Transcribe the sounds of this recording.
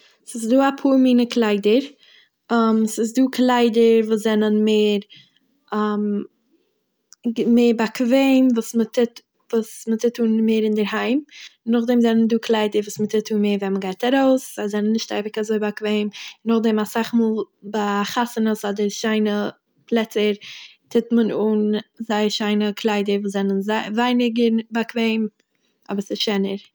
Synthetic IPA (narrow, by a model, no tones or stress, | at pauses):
sɪsduːapʰuːɾmiːnəklˠaɪdəɾ | amsɪs̬duːklˠaɪdəɾvuːszɛnənmeːɾ | am | meːɾbakveɪmvuːsmətʰɪt | vuːsmətɪtuːnmeːɾɪndəɾɦaɪmɪnːʊχdɛmzɛnənduːklˠaɪdəɾvuːsmətɪtʰuːnmeːɾvɛnməɡaɪtaɾoʊsazɛnənːɪʃtaɪvɪkazoɪbakveɪmɪnːʊχdɛmasaχmuːlˠ | baχasənəsɔdəɾʃaɪnə | plˠɛt͡səɾtʰɪtmənuːnzaɪəʃaɪnəkʰlˠaɪdəɾvuːszɛnənzavaɪnɪɡəɾbakveɪm | ʔɔ̰bəɾsɪsʃɛnəɾ